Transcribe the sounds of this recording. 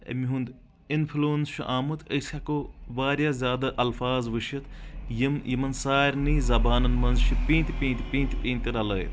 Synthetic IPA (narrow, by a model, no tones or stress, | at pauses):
ɐ̰miɦũnd̪ | inpʰluːnsʃʰḭʔaːmɐt̪əsʲakoʋaːɾjaːzʲjaːd̪ɐʔɐlfaːzʋɨʃit̪ʰjimjimɐnsaːɾʲniːzɐbaːnɐnmɐnzʃʰipʲĩːnt̪ʲpĩːnt̪pʲĩːnt̪pĩːnt̪iɾɐlɐːjḭt̪